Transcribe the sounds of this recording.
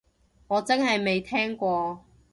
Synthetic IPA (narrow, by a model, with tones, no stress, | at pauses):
ŋɔː˨˧t͡sɐ˥ŋhɐ˨jme˨jt̪ʰɛː˥ŋkʷɔː˧